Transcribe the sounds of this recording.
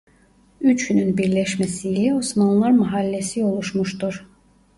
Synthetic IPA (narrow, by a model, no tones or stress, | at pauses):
yt͡ʃynynbiɾlæʃmæsiːlɛosmɑnlˠɑɾmɑɦɑlːɛsio̞lˠuʃmuʃt̪uɾ